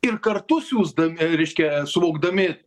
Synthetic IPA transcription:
ɪrkɐrt̪ʊsʲjʲuːzd̪ɐmʲɪɾʲɛɪʃʲkʲɛsʊʋoːɡd̪ɐmʲɪ

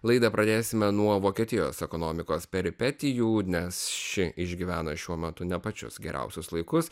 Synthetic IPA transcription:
lˠɐɪd̪ɐpɾɐd̪ʲeːsʲɪmʲɛnuɔʋoːkʲiɛt̪ʲɪjo̰ːsɛkoːnoːmʲɪkoːspʲɛɾʲɪpʲɛt̪ʲɪjuːnʲɛsʃʲɪʔɪʒʲɡʲiʋʲæːnɐʃʲuɔmʲɛt̪ʊnʲɛpɐt͡ʃʲʊ̰sɡʲɛɾʲʔɛ̰ʊsʲʊslˠɐɪkʊs

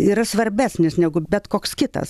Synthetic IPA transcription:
iːɾɐsʋɐɾʲbʲæːsʲnʲɪsnʲɛɡʊbʲɛt̪koːkskʲɪt̪ɐ̰s

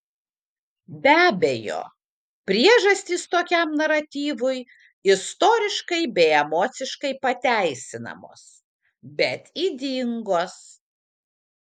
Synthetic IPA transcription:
bʲæːbʲejo̰ː | pʲɾʲiɛʒɐsʲt̪ʲiːst̪oːkʲɛˑmnɐɾɐt̪ʲiːʋʊj | ɪst̪oːɾʲɪʃkɐɪbʲɛɪɛmoːt̪sʲɪʃkɐɪpɐt̪ʲæˑɪsʲɪnɐ̰mo̰ːs | bʲɛt̪id̪ʲɪŋɡoːs

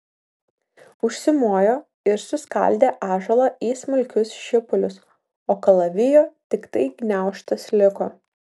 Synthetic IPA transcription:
ʊʃʲsʲɪmuɔjoː | ɪɾsʊskɐ̰lʲd̪ʲeːʔɑːʒɐlˠɐiːsmʊlʲkʲʊsʃʲɪpʊlʲʊs | oːkɐlˠɐʋʲɪjoːt̪ʲɪkt̪ɐɪɡnʲæˑʊʃt̪ɐslʲɪkoː

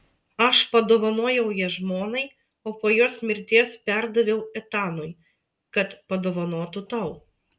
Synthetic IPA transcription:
ɐʃpɐd̪oːʋɐnoːjɛʊjiɛʒmoːnɐɪ | oːpoːjoːsmʲɪɾʲt̪ʲiɛspʲæˑɾd̪ɐʋʲɛʊɛt̪ɑːnoj | kɐt̪pɐd̪oːʋɐnoːt̪ʊt̪ɐʊ

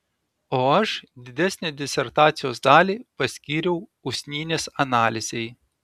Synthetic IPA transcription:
oːɐʃd̪ʲɪd̪ʲæsʲnʲɛd̪ʲɪsʲɛɾt̪ɑːt̪sʲɪjoːsd̪ɑːlʲiːpɐsʲkʲiːɾʲɛʊʊsʲnʲiːnʲeːsɐnɑːlʲɪzʲɛɪ

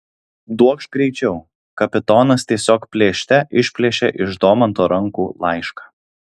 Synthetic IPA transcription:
d̪uɔkʃɡɾʲɛɪt͡ʃʲɛʊ | kɐpʲɪt̪ɔːnɐst̪ʲiɛsʲoːkpʲlʲeːʃʲt̪ʲɛʔɪʃʲpʲlʲeːʃʲɛʔɪʒd̪oːmɐnt̪oːɾɐŋkuːlˠɑˑɪʃkɑ̥ː

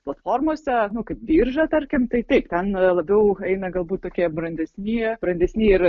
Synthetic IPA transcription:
plˠɐt̪foːrmoɔsʲɛnʊkɐɪpʋʲiːrʒɐt̪ɐɾʲkʲɪmt̪ɐɪt̪ʲɛɪpt̪ʲɛnlˠɐbʲɛʊɛɪnɐɡɐlˠbuːt̪ʲt̪oːkʲiɛbɾɐnʲd̪ʲɛsʲnʲiːb̥ɾɐnʲd̪ʲɛsʲnʲiːɪɾ

